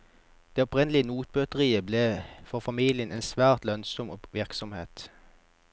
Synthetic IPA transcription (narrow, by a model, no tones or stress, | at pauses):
d̪̥eːɔpʁɛnlɪənuːt̪̚bøːt̪əʁiːəbleːfɔʁfɑmiːlɪənʔeːnsʋæːʁt̪lœnsɔmʋɪʁksɔmhḛːt̪